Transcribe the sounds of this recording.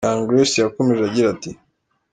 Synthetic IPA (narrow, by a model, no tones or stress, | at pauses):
ãŋɡɾesjakomeʒaɟiɾati